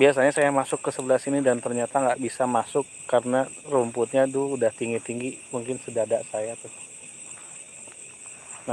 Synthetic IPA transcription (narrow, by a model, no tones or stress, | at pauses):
bias̬aɲasajamasʊkːəsəbəlasinidant̪ərɲat̪aŋɡaʔbisamasʊkːarənarumpʊt̪̚ɲat̪ʊudaht̪iŋɡit̪iŋɡimuŋkɪnsədadaʔsajat̪ʊ | na